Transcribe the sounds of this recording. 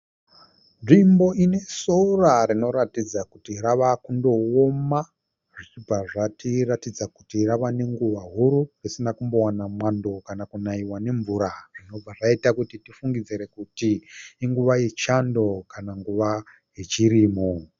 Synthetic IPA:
ʐimbo̞ʔine̞sorarino̞ɾatid͡zakutiɾaʋakundo̞oma | ʐit͡ʃib͡vaʐatiratid͡zakutiraʋane̞ŋɡuʋaɦuɾurisinakumbo̞wanamwando̞kanakunaiwane̞ɱvuɾarino̞b͡vaʐaitakutitifuŋɡid͡ziɾe̞kutiːŋɡuʋajet͡ʃando̞kanaŋɡuʋa | je̞t͡ʃiɾimo

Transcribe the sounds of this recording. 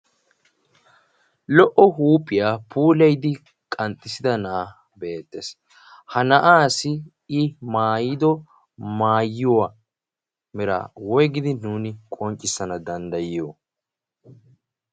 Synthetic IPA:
lɔʔɔhuːpʼːɪjaːpʰuːlɛjd̪ɪ | kʼɐnt̪ʼːɪsɪd̪ɐnɐa | be̞ːt̪ːes | hɐnɐʔaːsɪ | ɪmaːjɪd̪ɔ | maːjːɪwaː | mɪɾa̰ːwɔjɡɪd̪ɪnuːnɪkʼɔnt͡ʃʼːɪsːɐnɐd̪ɐnd̪ɐjɪjo

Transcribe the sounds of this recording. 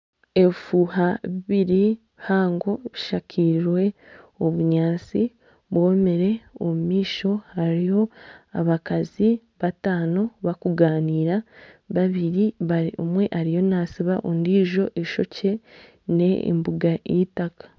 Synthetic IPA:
e̞fuhaβiβiɾi | haːŋɡo̞βiʃacʰiɾiɾwe̞oβuɲaːt͡si | βwoːme̞ɾe̞omumiːʃo̞haɾijo̞a̰βakazi | βataːno̞βakuɡaːniːɾaβaβiɾiβaɾiumwe̞ʔaɾijo̞naːsiβaʔondiːʒo̞ʔeʃo̞ce̞ | ne̞ḭmbuɡaḭtakḁ

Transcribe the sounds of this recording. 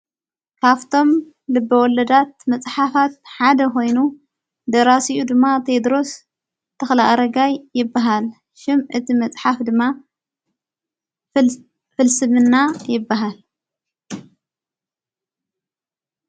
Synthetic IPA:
kʰaβt̪ʰo̞m | lɨbːɐwɔlɐd̪at̪̚mɐt͡sʼħafat̪̚ħad̪ɐko̞jnu | d̪ɐɾasiʔud̪ɨmːat̪ʰe̞d̪ɾo̞s | t̪ʰːɐxlaʔaɾɐɡajːɪbːaɦal | ʃɪmʔɨt̪ʰimɐt͡sʼħafd̪ɨmːa | fɨlsɨmɨnːajɪbːaɦal

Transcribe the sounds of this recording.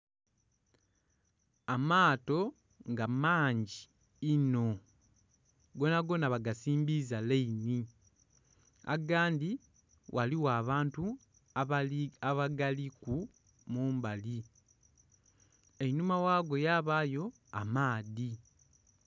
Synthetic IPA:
amaːto̞ | ŋɡamaːɲɟiː | no̞ | ɡo̞naɡo̞naβaɡasiːmbizaleini | a̰ɡaːndi | wʔaliwaːβaːntu | aaβaɡaliku | muːmbali | enumawaːɡo̞jaːβaːjo̞ | amaːði

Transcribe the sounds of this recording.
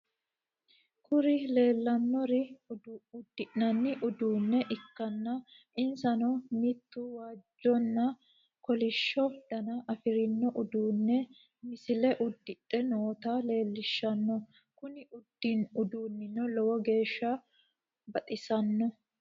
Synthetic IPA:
kʊɾɪle̞ːlːɐnːɔɾɪ | ʊd̪ːɪʔnɐnːɪʔʊd̪uːnːɛʔɪkːɐnːɐ | ɪnsɐnɔmit̪ːuwaːd͡ʒːɔnːɐ | kɔlɪʃːɔd̪̥ɐnɐʔɐfɪɾɪnːɔʔʊd̪uːnːɛ | mɪsɪlɛʔʊd̪ːɪtʼːɛnoːt̪aːle̞ːlːɪʃːɐnːɔ | kʊnɪʔʊd̪inʊd̪uːnːɪnɔlɔwɔɡe̞ːʃːɐ | bɐt̪ʼɪsɐnːɔ

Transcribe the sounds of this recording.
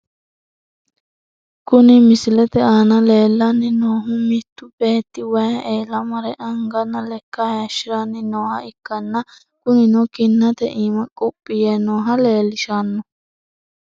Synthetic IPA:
kunĩmisilɛt̪ɛanãleːlːanːĩnoːɦũmit̪upɛːt̪iwɛeːlamãɾɛʔaŋɡanːãlɛkːaɛʃɾanːinoːhaikːanːã | kunĩnokinːãt̪ɛʔĩmãkʼopʼːijɛnõːɦaleːliʃanːu

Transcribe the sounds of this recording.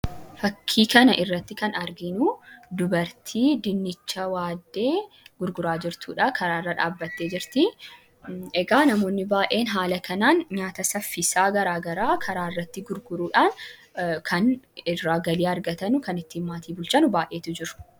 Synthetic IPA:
fɐkʰːiːkɐnɐʔɪrːɐt̪ːɪkɐnɐɾɡɪnuːd̪ʊbɐɾt̪ʰiːd̪ɪnːɪt͡ʃːɐwaːd̪ːe̞ː | ɡ̥ʊɾɡʊɾaːd͡ʒɪɾt̪ṵːᶑakɐɾaːrːɐᶑa̰ːbːɐt̪ːeːd͡ʒɪɾt̪ɪ | ɛɡaːnɐmo̞ːnːɪbaːʔe̞ːnɦaːlɐkɐnaːnɲaːt̪ɐsɐfːɪsaːɡɐɾaːɡɐɾaːkʰɐɾaːɪrːɐt̪ːɪɡʊɾɡʊɾuːᶑaːnkʰɐnɪrːaːɡɐliːɐɾɡɐt̪ɐnʊkɐnɪt̪ːiːnmaːt̪iːbʊlt͡ʃɐnʊbaːʔe̞ːt̪ʊd͡ʒɪɾʊ̥

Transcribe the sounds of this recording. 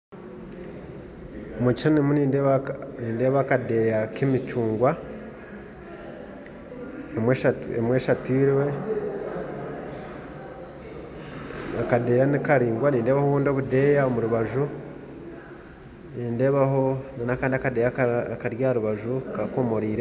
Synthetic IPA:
omut͡ʃiʃonimuniβniːnde̞ːβakade̞ːjakimit͡ʃuːŋɡwa | emweʃauḛmwe̞ːʃatiɾwe̞ | akade̞ːjanikaɾiːŋɡwaniːnde̞ːβahoβuːndio̞βude̞ːjaomuɾuβaʒu | niːnde̞ːβaho̞nnakaːndiakade̞ːjakkaɾjaːɾuβaʒukako̞mo̞ɾiːɾe

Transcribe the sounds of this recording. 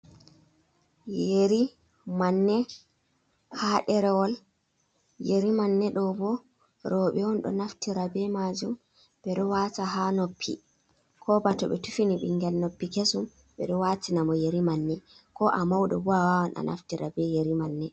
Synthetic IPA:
jeɾi | manːɛ | haɗɛɾɛwɔl | jeɾimanːɛɗɔbɔ | ɾɔɓɛwɔnɗɔ̰naftiɾabɛmad͡ʒum | bɛɗɔwataɦanopʰːḭ | kʰɔbatɔɓɛtufiniɓḭŋɡɛlnopːikesum | ɓɛ̰ɗɔwatinamɔjeɾimanːɛkɔʔamawɗɔ̰bɔawawanʔa̰nʔa̰ftiɾabɛjeɾimanːɛ

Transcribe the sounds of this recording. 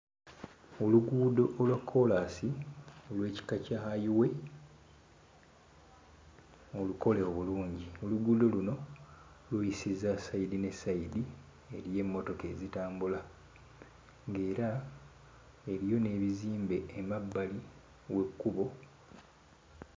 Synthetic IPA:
oluɡuːdo̞ʔolwakʰːo̞lasiolwe̞ːci̥kacahajiwe̞ | oluko̞le̞oβuluːɲɟioluɡuːdo̞luno̞ | lwujisizasaidine̞saidi | e̞ɾije̞mːo̞to̞ke̞zitaːmbula | ŋɡe̞ːɾa | eɾijo̞ne̞ːβiziːmbe̞ːmabːali | we̞kːuβo̞

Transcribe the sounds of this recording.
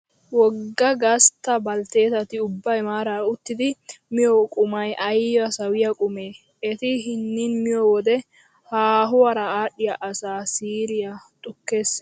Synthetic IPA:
wɔɡɡːɐɡɐst̪ːɐbɐlt̪e̞ːt̪ɐt̪ɪʊbːɐjmaːɾɐʊt̪ːɪd̪ɪmɪjɔkʼʊmɐjʔɐjɔɐsɐwɪjɐkʼʊme̞ː | ɛt̪ɪɦɪnːɪnmɪjɔwɔd̪ɛ | haːɦʊwɐɾɐaːɗɪjaʔɐsaːsiːɾɪjɐt̪ʼʊkːe̞ːs

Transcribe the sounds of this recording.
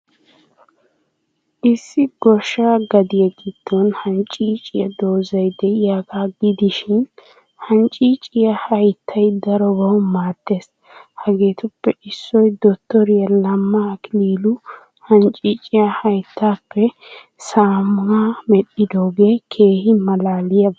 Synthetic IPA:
ʔɪsːɪɡɔʃːaːɡɐd̪ɪjɐɡɪd̪̥ːonhɐnt͡ʃʼːiːt͡ʃʼɪjɐd̪o̞ːzɐjd̪ɛɪjaːkaɡɪd̪ɪʃɪn | hɐnt͡ʃʼiːt͡ʃʼɪjɐhɐjt̪ʰːɐjd̪ɐɾɔbɐwmaːt̪ːeːs | hɐɡe̞ːt̪ʊpːɛʔɪsːɔjd̪ɔt̪ːɔɾɪjɐlɐmːɐkɪliːlʊ | hɐnt͡ʃʼiːt͡ʃʼɪjɐhɐjt̪ʰːaːpːɛ | saːmʊamɛɗɪd̪oːɡeːkʰe̞ːhɪmɐlaːlɪjɐ

